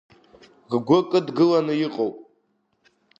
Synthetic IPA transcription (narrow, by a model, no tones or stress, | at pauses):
ʁɡʷʊkʼɨdɡɨlanɨjiqʼowpʼ